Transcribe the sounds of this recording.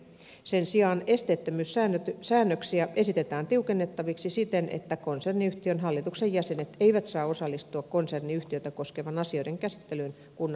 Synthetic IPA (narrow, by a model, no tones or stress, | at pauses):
sensiɑːne̞st̪eːt̪ːømyːsæːnøt̪sæːnːøksiæʔe̞sit̪et̪æːnt̪iukenːet̪ːɑʋiksisit̪enʔḛt̪ːækonserniyht̪iønɦɑlːit̪uksejjæse̞net̪eiʋæt̪sɑːo̞sɑlːist̪uɑkkonserniyht̪iøt̪æko̞skeʋɑnɑsio̞jdeŋkæsi̥t̪ːelyn | kun